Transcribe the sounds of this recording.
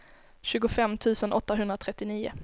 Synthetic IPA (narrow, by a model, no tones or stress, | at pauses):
ɕʉ̟ːɡʊfɛmːt̪ʰʉ̟ːsənʔɔt̪ːaɦɵnd̪ɾat̪ʰɾɛt̪ːɪniːʊ̰